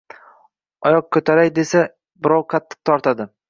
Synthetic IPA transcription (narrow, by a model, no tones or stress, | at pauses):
ɒjɒq̚kʰɵt̪ʰaɾajd̪e̞sa | bɪɾɒwqʰɑt̪ʰːɨ̥q̚t̪ʰɒɾt̪ʰad̪ɪ